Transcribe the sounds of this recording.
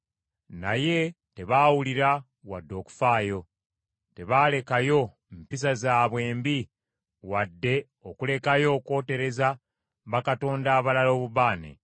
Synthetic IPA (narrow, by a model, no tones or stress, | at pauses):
na̰je̞ | te̞βaːwuliɾa | wadːo̞ːku̥faːjo̞ | te̞βaːle̞kajo̞ | mpis̬azaːβwe̞ːmbi | wadːe̞ | okule̞kajo̞ːko̞ːte̞ɾe̞za | βakato̞ːndaːβalalo̞ːβuβaːnḛ